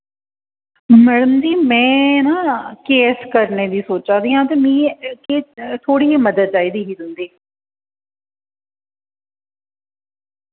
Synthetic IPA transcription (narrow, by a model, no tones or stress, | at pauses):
mɛɽəmd͡ʒiːmɛ̃ːnaːkeːskəɾneːd̪iːsoːt͡ʃãːd̪iːɦãːt̪eːmĩːkeːt̪ʰoːɽiːɦeːməd̪əd̪̚t͡ʃaːiːd̪iːɦiːd̪ʊnd̪eː